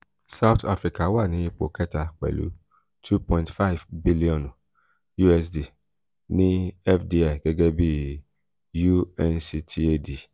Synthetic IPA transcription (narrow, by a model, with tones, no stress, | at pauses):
sa˦ʊ˦ta˦fɾi˨ka˨˦wa˦˨nĩ˨˦i˧k͡po̰˨kɛ˦ta˧k͡pɛ̰˨lṵ˨˦ | tʰu˦pɔ̃˦˨ntfa˦˨vbi˦li˦ɔ̃˨n˨ | ju˦ɛ˧s̬di˨ | nĩ˦ɛ˦fdi˧a˨ɡ̥ɛ˦ɡɛ˦bi˦ | ju˦ɛ˧nsi˧tʰi˦e˦di˨